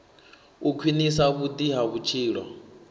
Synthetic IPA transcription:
ukʰwinisaβud̪iɦaβut͡ʃʰiːɺɔ̰

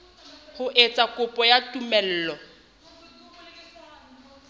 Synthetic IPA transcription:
hʊʔet͡sʼakʼʊpʼɔjatʼumɛl̩ːlɔ

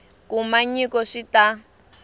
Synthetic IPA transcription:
kumaɲikɔʂita

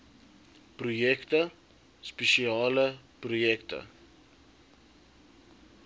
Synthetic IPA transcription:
prujɛktə | speʃiɑːləprujɛktə̰

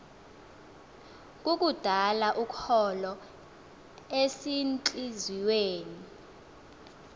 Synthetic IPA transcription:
k̬ʼuk̬ʼud̥ʱalaʔukʰɔlɔ | esint͡ɬʼiziweːni

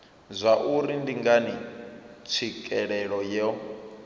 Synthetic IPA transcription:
zʷaʔuɾindiŋɡanit͡sʰikʼɛɺɛɺɔjɛ

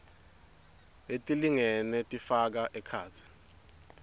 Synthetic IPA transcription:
etʼiliŋɛnɛtʼifak̬aʔɛkʰaːt͡sʰi̥

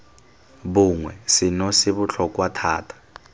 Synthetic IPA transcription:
buŋwɛsinɔsiβuɬʰɔkʼwatʰaːtʰḁ

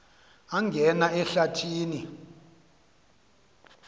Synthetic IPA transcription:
aŋɡʱɛnaɛɬatʰiːni

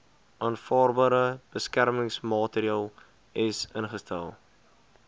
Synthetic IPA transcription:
ʔɑːnfɑːrbɑːɾəb̥əskærməŋsmɑːtəɾiɑːlˠ | ɪsənχəstælˠ

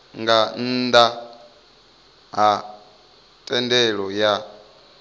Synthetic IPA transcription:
ŋɡan̩d̪a | ɦa | tʼɛndɛɺɔja

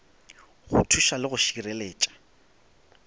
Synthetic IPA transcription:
ɣʊ̰tʰuʃalɪɣʊʃireleːt͡ʃʼḁ

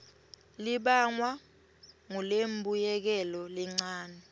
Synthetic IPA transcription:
liɓaŋwa | ŋulembʱujɛk̬ɛlɔlɛŋ͡ǀaːnɛ

